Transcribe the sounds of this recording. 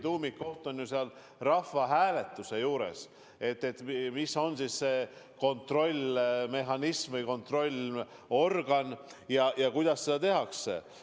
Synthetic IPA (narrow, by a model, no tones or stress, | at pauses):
t̪uːmikːo̞ht̪o̞njuseɑl | rɑfɑɦæːle̞t̪ːˑusejuːɾe̞̰s | e̞t̪ˑːe̞t̪mmisːo̞nsiːsːeːko̞nt̪ro̞lʲme̞ɦɑnismɨjko̞nt̪ro̞lʲ | o̞rɡ̥ɑnjɑjɑkujd̪̥ɑsːse̞d̪̥ɑt̪e̞ɦɑksḛ